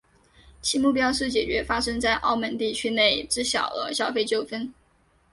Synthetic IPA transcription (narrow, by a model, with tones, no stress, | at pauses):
t͡ɕʰi˥mu˥˩p̬jɑ˥ʊʂɻ̩˥˩t͡ɕjɛ˨˩t͡ɕɥɛ˧˥fa˥ʂɤ˥ŋt͡sa˥˧ɪʔɑ˥˩ʊmə˥˧nt̪i˥˩t͡ɕʰy˥ne˥˩ɪʈ͡ʂɻ̩˥ɕjɑ̰˨˩ʊlə̰˧˦ɕjɑ˥˧ʊfe˥˧ɪt͡ɕjo˥˩ʊfə˥n